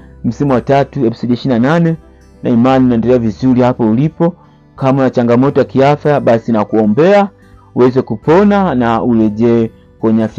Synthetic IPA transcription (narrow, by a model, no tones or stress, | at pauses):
m̩simuwatatuɛfsɔliɛʃiinananɛ | na̰imaniunaɛndɛlɛavizuɾihapɔulipɔ | kamaunat͡ʃaŋɡamɔtɔjakiafjaɓasinakuɔmbɛa | uwɛzɛkupɔnanaulɛʄɛ | kwɔɲafja